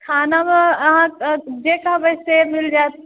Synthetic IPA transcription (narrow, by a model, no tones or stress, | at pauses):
kʰaːnamẽəɦãd͡ʒekabəsemɪld͡ʒaːt̪